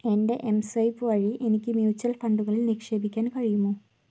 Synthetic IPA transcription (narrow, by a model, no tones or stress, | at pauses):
enɖeʔemsajpuaɻiʔenikimjiut͡ɕːɐlfɐɳɖuɣɐlilnekʂebʱikːankaɻijumo